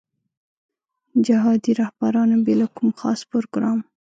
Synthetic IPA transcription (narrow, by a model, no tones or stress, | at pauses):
d͡ʒaɦɑd̪iɾahbaɾɑnabelakumxɑ̰spoɾoɡɾɑm